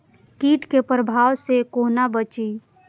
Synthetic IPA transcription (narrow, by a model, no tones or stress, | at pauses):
kiːʈkepɾəbʱaːwsekoːnabət͡ʃi